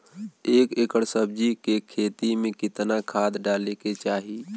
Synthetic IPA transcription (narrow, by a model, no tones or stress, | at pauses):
eːkekəɽsəb̚d͡ʒikekʰeːt̪imẽkɪt̪nakʰaːd̪ɖaːleket͡ʃaːɦi